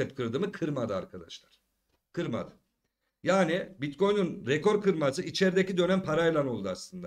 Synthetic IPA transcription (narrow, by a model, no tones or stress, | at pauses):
ɛt̪kʰɯɾd̪ɯmɯkʰɯɾmad̪ɯa̰ɾkʰad̪aʃlˠaɾ̥ | kʰɯɾma̰d̪ɯ | jaːnibit̪ko̞jnynɾeko̞ɾkɯɾmasɯʔit͡ʃʰɛɾd̪ecid̪ø̞næmpʰaɾajlˠano̞lˠd̪uaslˠɯnd̪a